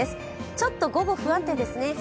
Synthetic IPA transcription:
esɨ̥ | t͡ɕo̞t̪ːo̞ɡo̞bo̞ɸɯ̟ãnt̪e̞d̪e̞sɨne̞s

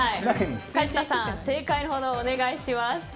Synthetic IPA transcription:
aiakad͡ʑi̥k̪asãse̞ːkainohod̪oːne̞ɡaiɕimas

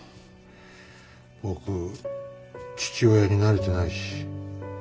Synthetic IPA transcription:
bo̞kɯ̟ | t͡ɕi̥t͡ɕio̞jaɲ̟inaɾɯt̪onaiɕi̥

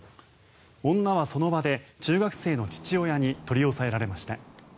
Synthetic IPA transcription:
õ̞nːaβaso̞no̞bad̪e̞t͡ɕɨːɡakɯ̟̥se̞ːno̞t͡ɕi̥t͡ɕio̞jaɲ̟it̪o̞ɾʲio̞sae̞ɾaɾe̞maɕi̥t̪a̰

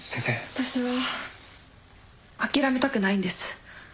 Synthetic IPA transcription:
sẽnseat̪aɕiβa | akʲiɾame̞t̪akɯ̟naĩnd̪e̞sɨ̥

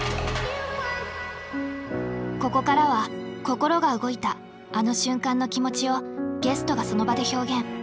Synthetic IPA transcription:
ko̞ko̞kaɾaβako̞ko̞ɾo̞ɡaɯ̟ɡo̞it̪aː | no̞ɕɨ̃ŋkãnːo̞kʲimo̞t͡ɕio̞ɡe̞sɨ̥t̪o̞ɡaso̞no̞bad̪e̞ço̞ːɡẽ̞ŋ̃

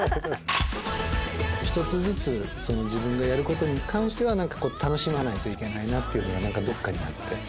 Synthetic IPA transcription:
çi̥t̪o̞t͡sɨzɨt͡sɨso̞no̞d͡ʑibɯ̟̃ŋɡajaɾɯ̟ko̞t̪o̞ɲ̟ikʰãɰ̃ɕi̥t̪e̞β̞anãŋkḁko̞ːt̪ʰano̞ɕimanait̪o̞ikʲe̞nainat̪ːeiɯ̟noɡanãŋkad̪o̞kːaɲ̟iat̪ːe̞

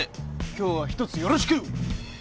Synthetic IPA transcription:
ekʲo̞ːβaçi̥t̪o̞t͡sɨjo̞ɾo̞ɕi̥kɯ̟

